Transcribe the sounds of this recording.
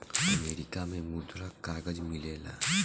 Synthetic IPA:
ɐmeːɾɪkamẽmʊd̪ɾakaːɡəd͡ʒmɪleːla̰ː

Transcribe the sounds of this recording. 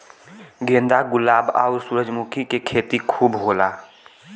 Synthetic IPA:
ɡẽːnd̪aɡʊlaːba̰ʊɾsuːɾəd͡ʒmukʰikekʰeːt̪ikʰuːbɦoːlaː

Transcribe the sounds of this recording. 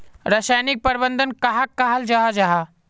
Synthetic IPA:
ɾəsaːjnɪk̚pɐɾbə̃nd̪ənkaɦakːaɦald͡ʒaɦad͡ʒaɦa

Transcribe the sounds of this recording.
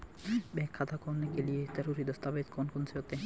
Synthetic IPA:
bɛkʰːat̪ʰakɔnːekeliet̪ɛɾuɾid̪ɔst̪abet̪kʰɔnkonseot̪e

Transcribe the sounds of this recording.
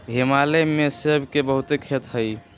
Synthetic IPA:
ɦemalemesebkebəɦut̪ekʰet̪ɦəj

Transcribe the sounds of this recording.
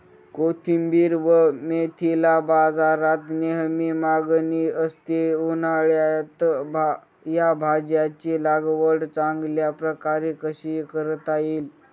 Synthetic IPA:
kot̪ʰimbiːɾʋəmet̪ʰilabad͡zaɾat̪neɦmimaɡniəst̪eunaɭjat̪ba | jabʱad͡ʑjat͡ɕilaɡʋəɽt͡saŋɡljapɾəkaɾikəɕikəɾət̪ajiːl

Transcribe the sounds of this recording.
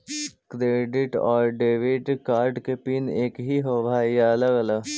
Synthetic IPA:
kɾeːɖɪʈɔ̰ːɾɖeːʋɪɖkaːɾɖkepiːneːkɦiɦoʋaːjalɐɡɐla

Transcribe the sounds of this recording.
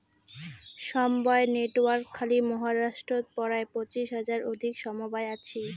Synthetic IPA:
ʃɔmbaeneʈowaɾkʰːalimɔɦaɾaʃʈɾot̪̚pɔɾaepot͡ɕiʃɦad͡ʑaɾod̪ʱikʃɔmobaeat͡ɕʰi

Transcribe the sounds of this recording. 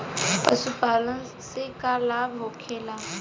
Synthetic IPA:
pa̰supala | sɪkalabʱokʰɛːla

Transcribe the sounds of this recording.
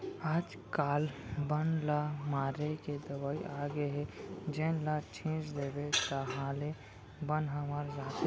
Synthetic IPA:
aːd͡ʒ | kaːlbənlamaːɾeked̪əbaiʔaɡeɦed͡ʒenlat͡ʃʰĩt͡ʃd̪eːbet̪əɦãle | bənɦəməɾd͡ʒaːt̪e

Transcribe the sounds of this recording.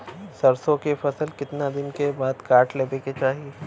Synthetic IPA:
sɐɾsõkefɐsəlkɪt̪nad̪ɪnkebaːd̪kaːʈʰleːbeket͡ʃaːɦie

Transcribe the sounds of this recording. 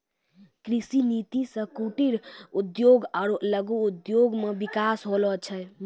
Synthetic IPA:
kɾisinit̪isə̃kuʈiɾud̪joɡaɾləɡuːd̪joɡmebikasɦolɔt͡ʃʰə

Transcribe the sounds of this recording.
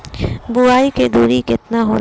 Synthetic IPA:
buaːiked̪uːɾikɪt̪naɦo̰ːl

